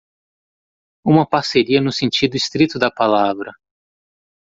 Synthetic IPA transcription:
ũmɐpaɾseɾiɐnʊsẽnt͡ʃid̪ʊist̪ɾit̪ʊd̪ɐpalavɾɐ

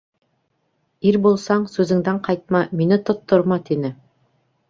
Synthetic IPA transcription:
iɾbulˠsɑɴsʉzɘ̆ŋd̪æɴqʰɑjt̪̚mɑminɘt̪ŏt̪ːŏɾmɑt̪inɘ

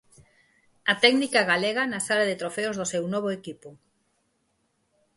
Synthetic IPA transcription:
ɐt̪ɛɡnikaɣaleɣanasalaðɪt̪ɾofeozðosewnɔβoekipʊ

